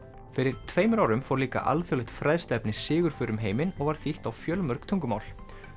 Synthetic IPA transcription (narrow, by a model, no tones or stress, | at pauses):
fɪɾɪɾ̥t̪ʰveːjmʏɾawɾʏmfɔwɾliːka̰ʔa̰lθœlɛht̪fɾajðst̪ɛpnɪsɪːɣʏɾ̥fʏɾʏmɦeːjmɪnɔɣvaɾ̥θiht̪awfjœːlmœɾ̥kt̪ʰœŋkʏma̰ːwl